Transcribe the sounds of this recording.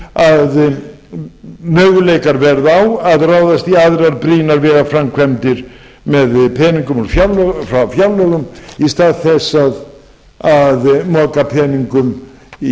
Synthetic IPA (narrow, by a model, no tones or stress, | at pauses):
að | mœːɣʏlɛjkaɾvɛɾðawaðrawðast̪iaðɾaɾbɾiːnaɾvɛːɣafɾamkʰvɛmt̪ɪɾ̥ | mɛðpʰɛːniŋkʏmɔɾfjalfɾafjawlœɣʏmist̪aːðθɛsað | aðmɔːkapʰɛːniŋkʏm